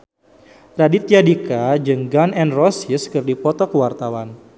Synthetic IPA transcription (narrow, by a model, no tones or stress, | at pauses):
radit̪jadikad͡ʒəŋɡanɛnrɔsɪskərdipɔt̪ɔkəwart̪awan